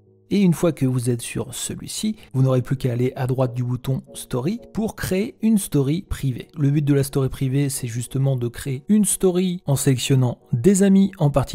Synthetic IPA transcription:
eynfwakəvuzɛt̪sy̰ʁsəlɥḭsivunɔʁeplykaːleʔad̪ʁwat̪̚d̪ybut̪ɔ̃st̪ɔʁipuʁkχeeynst̪ɔʁipχivḛləbyt̪̚d̪əlast̪ɔʁipχivesɛʒyst̪əmɑ̃d̪əkχeeynst̪ɔʁiɑ̃selɛksjɔnɑ̃d̪ezamiɑ̃paʁt̪i̥

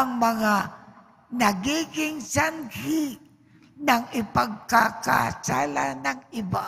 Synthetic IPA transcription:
aŋmaŋa | naɡiɡɪŋsanhɪ | naŋɪpaɡ̚kaka̰sa̰la̰naŋɪba

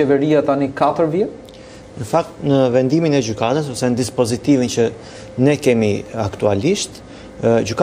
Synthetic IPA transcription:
ɛvɛɾiat̪anikat̪əɾvjɛ | nəfak̚t̪nəvɛnd̪iminɛd͡ʒykat̪as̬ɔsɛnəd̪ispɔzit̪ivint͡ʃə | nɛkɛmiakt̪ualiʃt̪ | ɟyk

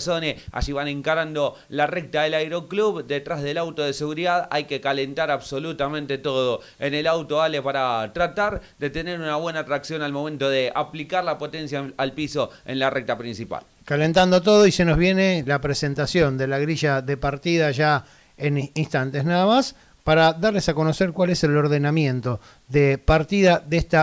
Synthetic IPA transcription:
so̞nesa̰ʒiβanẽŋkaɾand̪o̞ | larek̚t̪aðelajɾo̞kluβd̪et̪ɾazðe̞lawt̪oðese̞ɣuɾiðaða̰jkekale̞nt̪aɾaβso̞lut̪amẽ̞nt̪et̪o̞ðo | enelawt̪oalepaɾat̪ɾat̪aɾd̪e̞t̪e̞ne̞ɾunaβwe̞naːt̪ɾaksjo̞nalmoment̪oðeʔa̰plikaɾlapo̞t̪ensjaalpiso̞ḛnlarek̚t̪apɾinsipa̰l | kale̞nt̪and̪ot̪̬o̞ð̞o̞ise̞no̞zβ̞je̞ne̞lapɾese̞nt̪asjo̞nd̪elaɣɾiʒaðe̞paɾt̪iðaʒa | eninst̪ant̪e̞snaðamas | paɾaðaɾlesako̞no̞seɾkwale̞selo̞ɾðe̞namjẽ̞nt̪o̞ | ðepaɾt̪iðaðest̪a

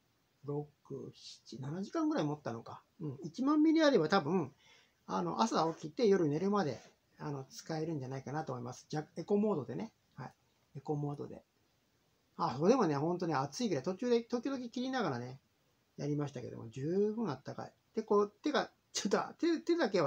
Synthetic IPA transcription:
ɾo̞kɯ̟̰ɕi̥t͡ɕinanaʑikãŋɡɯ̟ɾaimo̞t̪ːano̞ka | ɯ̟̃ɴit͡ɕimãmːʲiɾʲiaɾe̞bat̪abɯ̟̃ | ano̞̰ʔasaokʲit̪ːe̞jo̞ɾɯ̟ne̞ɾɯ̟mad̪e̞̰ | ano̞t͡sɨ̥kae̞ɾɯ̟̃ɲ̟d͡ʑanaikanat̪oːmoimasɨ̥d͡ʑake̞ko̞mo̞ːd̪o̞d̪e̞ne | hai | eko̞mo̞ːd̪o̞̰d̪e̞̰ | aso̞ːd̪e̞mo̞ne̞hõ̞nt̪oneat͡sɨiɡɯ̟ɾait̪o̞t͡ɕɨːd̪et̪o̞kʲod̪o̞k̬ʲikʲiɾʲinaɡaɾane | jaɾʲimaɕit̪ake̞d̪o̰mo̰d͡ʑɨːbɯ̟̃ɰ̃at̪ːaka̰ḭ | t̪e̞kot̪e̞ɡa | t͡ɕot̪ːoa̰t̪et̪e̞d̪ak̬e̞βa

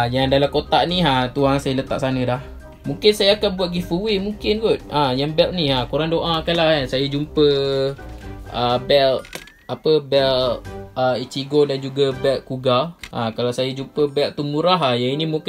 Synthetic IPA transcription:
jaŋdalamkot̪aʔniɦat̪uaŋsajalət̪a̰ʔsanədah | mũŋkɪnsajaːkanbuat̪̚ɡifuwimuŋkɪnɡut̪̚ʔajaŋbɛlniɦakuɾaŋdoʔaakanlahansajad͡ʒumpə | ʔəbɛl̚ | apəbɛləit͡ʃiɡodand͡ʒuɡabɛlkuɡaʔakalawsajad͡ʒumpəbɛlt̪umuɾaɦajainimuŋk

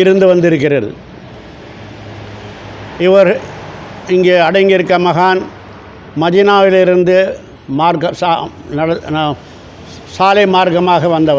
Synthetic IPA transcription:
ɪɾɯnd̪ɯʋɐnd̪ɪɾɯk̬ːɪrɐl | ɪʋɐɾ | ɪŋɡeːɐɽɐɪŋɡɪɾɯkːɐmɐɣaːn | mɐðiːnaːʋɪlɪɾɯnd̪ɯ | maːɾkɐs | nɐɽɐn | saːlɐɪmaːɾkɐmaːɣɐʋɐnd̪ɐʋɐ

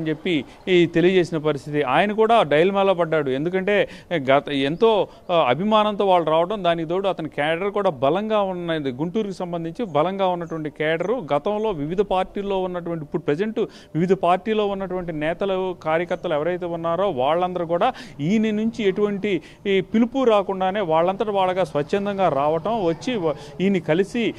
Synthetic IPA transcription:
nt͡ʃe̞pːi | t̪e̞lijɐd͡ʒe̞ːsinɐp̬ɐɾist̪ʰit̪iʔaːjɐnɐkuːɽaːɖɐjlmɛːloːbɐɖːaːɽue̞nd̪ukɐɳʈe̞ːɡɐent̪o̞ː | ɐbʱimaːnɐnt̪o̞ːʋaːɭːɐɾaːʋɐʈɐmd̪aːnikit̪o̞ːɽuɐt̪ɐnikɛːɖɐɾkuːɽaːbɐlɐŋɡaːunːɐd̪iɡuɳʈuːɾukusɐmbɐnd̪ʱiɲt͡ʃibɐlɐŋɡaːunːɐʈuʋɐɳʈikɛːɖɐɾuɡɐt̪ɐmlo̞ːʋiʋid̪ʱɐpaːɾʈiːloːunːɐʈuʋɐɳʈipːuɽupɾɐd͡ʒeɳʈu | ʋiʋid̪ʱɐpaːɾʈiːloːunːɐʈuʋɐɳʈinɛːt̪ɐlɐkaːɾjɐkɐɾt̪ːɐluɛʋɐɾɐjt̪e̞ːunːaːɾo̞ːʋaːɭːɐnd̪ɐɾukuːɽaːiːninuɲt͡ʃieʈuʋɐɳʈi | pilupuɾaːkuɳɖaːne̞ːʋaːɭːɐnt̪ɐɾɐʋaːɭːɐɡaːsʋɐt͡ʃːend̪ɐŋɡaːɾaːʋɐʈɐmʋɐt͡ʃːi | iːnːikɐlisi

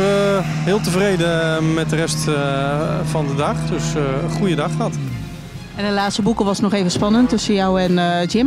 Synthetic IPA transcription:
ɦɪːlˠtəvrejdəmɛt̚dərɛst | fɑndədɑχdɵsəχujədɑχɑt | ɛnətlaːtstəbukəʋɑsnɔχejvənspɑnəntɵsənjɔwɛnd͡ʒɪm

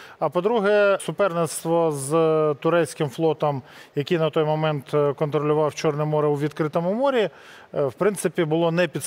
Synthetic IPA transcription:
ɐpɔd̪ɾuɦɛsʊpɛrnenst̪ʋɔzt̪ʊɾɛsʲkɪmflˠɔt̪ɔmjɐkʲinɐt̪ɔjmɔmɛnt̪kɔnt̪ɾɔlʲʊʋɑwt͡ʃɔrnɛmɔɾɛwʋʲid̪kɾɪt̪ɔmʊmɔɾʲi | wpɾɪntsɪpʲibʊlˠɔnɛpʲid̪

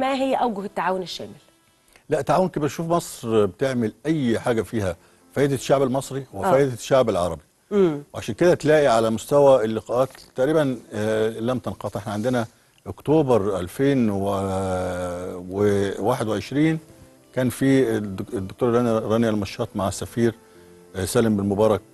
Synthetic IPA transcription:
mæɦɪjːʔæwɡʊhɪt̪ːaʕaːwonɪʃːæ̰ːmɪl | læʔt̪ːaʕaːwonkibiɾʃuːfmɑsˤɾbet̪eʕmɪlʔæjːħaːɡæfiːhæ | fæːʔed̪æʃːaʕbælmɑsˤɾiwefæːjd̪æʃːaʕbælʕɑ̰ɾˤɑbi | weʕaʃæːnked̪æt̪læːʔiʕalæmʊst̪æwælːɪqɑʔæːt̪ːæʔɾiːbæn | læmt̪ɑnqɑːt̪ˤʔeħnæʕend̪enæ | ʔokt̪oːbɑɾˤʔælfeːnwe | wewaːħed̪weʕeʃɾiːn | kæːnfiːd̪ːokt̪oːɾˤlɑnɾˤɑniælmɑʃːɑːt̪ˤmaʕasːæfiːɾ | sæːlembɪlmobɑːɾˤɑk̚

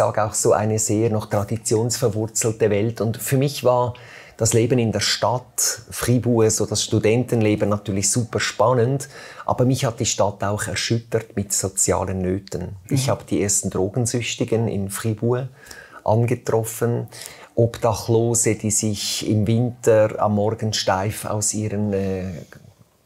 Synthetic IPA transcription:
a̰ːɡəaʊxsoːʔa̰ɪnəzeːɐnɔχtʁ̥ɑdit͡sjoːnsfɛɾvʊʁt͡sl̩təvɛltʊndfyːɐmɪçvaː | d̥ɑsleːbənɪndeːɐʃtatfʁibuːəzoːd̥ɑsʃtudɛntənleːbənnatʰyːɐlɪçsuːpəʃpɑnəndʔa̰ːb̥əmɪçhat̚d̥iːʃtataʊxɛʁʃʏtətmɪtsot͡sja̰ːlənːøːtənɪçhaːbəd̥iːeːɐstn̩dʁoːɡən̩zʏçtɪɡənɪ̰nfʁibuːə | ʔɑ̰nɡətʁ̥ɔfənʔɔpd̥ɑχloːzəd̥iːzɪçɪmvɪntəɑ̰mːɔɾɡən̩ʃtaɪfa̰ʊsiːɾənɛː

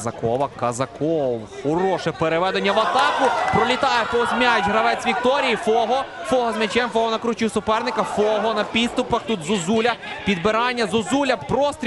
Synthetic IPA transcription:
zɐkɔʋɐkɐzɐkɔwxɔɾɔʃɛpeɾeʋɛd̪enʲːɐʋɐt̪ɑkʊpɾɔlʲit̪ɑjɛpɔzʲmʲajʊt͡ʃʲɦɾɐʋɛt͡sʲʋʲik̚t̪ɔɾʲijifɔɦɔfɔɦɔzmʲɐt͡ʃɛmfɔɦɔnɐkɾut͡ʃiwsʊpɛrnɪkɐfɔɦɔnɐpʲid̪st̪ʊpɐxt̪ut̪zʊzulʲɐpʲid̪bɪɾɑnʲːɐzʊzulʲɐpɾɔst̪ɾʲ

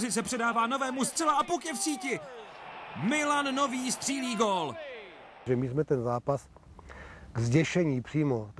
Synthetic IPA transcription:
zɪt͡sɛpr̝̥ɛdaːvaːno̞vɛːmust̪r̥ɛlaʔapukjɛfsiːcɪ | mɪlanːo̞viːst̪r̥iːliːɡoːl | ʒɛmɪzmɛt̪ɛnzaːpas | ɡzɟɛʃɛɲiːpr̥iːmot̪

